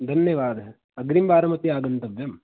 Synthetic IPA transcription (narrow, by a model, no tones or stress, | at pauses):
d̪ʱɐnjɐʋaːd̪ɐɦ | ɐɡɾimbaːɾɐmɐt̪iaːɡɐnt̪ɐʋjɐm